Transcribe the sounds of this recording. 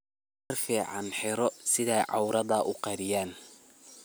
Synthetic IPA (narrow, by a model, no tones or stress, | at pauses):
mɐrfiːʕɑnħɪɾɔsɪðɛjʕɑwɾɐðɐʔʊqɑɾɪjaːn